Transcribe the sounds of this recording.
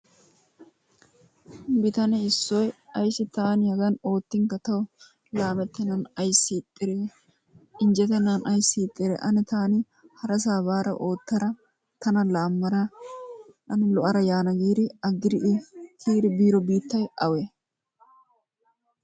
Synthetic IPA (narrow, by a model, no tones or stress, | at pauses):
bɪt̪ɐnɛɪsːɔjɐjsɪt̪aːnɪhɐɡɐno̞ːt̪ːɪŋkɐt̪ɐwʊ | laːmɛt̪ːɛnɐnɐjsːit̪ʼːɪɾɛ | ɪnd͡ʒɛt̪ːɛnanʔɐjsːiːt̪ʼːɪɾɛ̰ʔɐnɪt̪aːnɪ | hɐɾɐs̬aːbaːɾɐ̰ʔoːt̪ːɐɾɐ | t̪ɐnɐlaːmːɐɾɐ | ʔɐnɪlɔʔɐɾɐjaːnɐɡiːɾɪɐɡːɪɾɪʔɪkʰiːɾɪbiːɾɔbiːt̪ːɐjɐwe